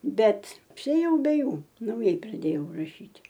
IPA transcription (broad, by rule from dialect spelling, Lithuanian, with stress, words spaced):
ˈbʲɛt ɐpʲsʲɪeːˈjɛʊ bʲɛ ˈjuː nɐʊˈjɛɪ prɐˈdʲeːjɛʊ rɐˈʃʲiːtʲ